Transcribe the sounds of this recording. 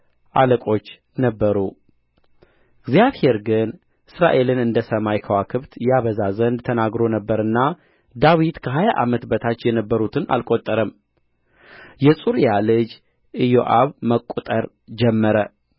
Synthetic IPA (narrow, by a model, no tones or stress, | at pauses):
ʔaləkʼo̞t͡ʃː | nəbːəɾu | ɨɡzijaβhe̞ɾɡɨn | ʔɨsɾa̰ʔe̞lɨnɨnd̪əsəmajkʰəwakʰɨβt̪jaβəzazənd̪t̪ʰənaɡɾo̞nəbːəɾɨnːa | d̪awit̪kʰəɦajaʔa̰mət̪bət̪ʰat͡ʃːjɛnəbːəɾut̪ʰɨna̰lkʼot̪ʼːəɾəm | jɛsʼuɾjalɨd͡ʒ | ʔɨjoʔaβməkʼːut̪ʼəɾ | d͡ʒɛmːəɾə